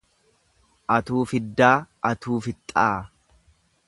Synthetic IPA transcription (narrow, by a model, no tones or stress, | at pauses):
ʔɐt̪uːfɪd̪ːaːʔɐt̪uːfɪt̪ʼːaː